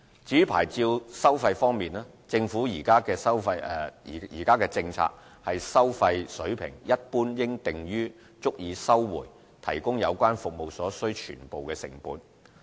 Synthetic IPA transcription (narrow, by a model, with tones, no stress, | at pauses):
t͡siː˨˥pʰa̰ː˨˩jt͡siː˧wsɐ˥wfɐ˧jfɔː˥ŋmiː˨naː˥ | t͡sɪ˧ŋfuː˨˥jiː˨˩kaː˥kɛː˧sɐ˥wfɐ˧jjḭː˨˩kaː˥kɛː˧t͡sɪ˧ŋt͡sʰa̰ː˧k̚ | hɐ˨jsɐ˥wfɐ˧jsɵ˨˥ɥpʰɪ̰˨˩ŋjɐ˥t̚puː˥njɪ˥ŋt̪ɪ˨ŋjyː˥ | t͡sʊ˥k̚jiː˨˧sɐ˥wwṵː˨˩j | t̪ʰɐ̰˨˩jkʊ˥ŋjɐ˨˧wkʷaː˥nfʊ˨k̚mo˨wsɔː˨˥sɵ˥ɥt͡ʃʰy̰ː˨˩npo˨wkɛː˧sɪ̰˨˩ŋpuː˨˥n